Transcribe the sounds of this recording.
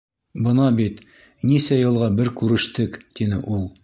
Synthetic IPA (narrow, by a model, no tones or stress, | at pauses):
bɤ̆nɑbit̪ | nisæjɤ̆lˠʁɑbɘɾkʉɾɘ̆ʃt̪ɘkt̪inɘ̰ʔulˠ